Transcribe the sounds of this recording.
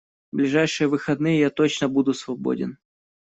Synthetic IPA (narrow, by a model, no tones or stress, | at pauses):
blʲɪʐajʂɨjəvɨxɐd̪nɨjəjat̪ot͡ɕnəbud̪ʊsvɐbo̰dʲɪ̰n